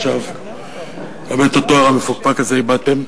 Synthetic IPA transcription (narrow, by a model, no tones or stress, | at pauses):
ʃav | amet̪ot̪oaʁamefuk̚pakazeibat̪em